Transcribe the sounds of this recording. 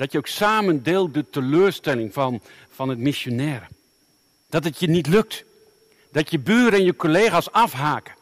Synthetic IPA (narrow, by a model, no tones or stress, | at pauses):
d̥ɔtjəoksaːməndɪːl̚ˠdətəløːrstɛlɪŋfn | fɑnətmisjonɛːɾə | d̥ɔtətjənitlɵk̚t | d̥ɔtjəbyːɾəɛnjəkoleːɣasɑfɦaːkə